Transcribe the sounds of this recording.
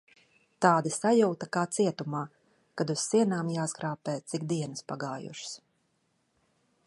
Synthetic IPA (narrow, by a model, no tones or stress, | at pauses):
t̪aːd̪isajuwt̪akaːt̪siɛt̪umaː | kad̪uz̥siɛnaːmjaːsɡɾaːpɛːt̪sikd̪iɛnɨspaɡaːjṵʃs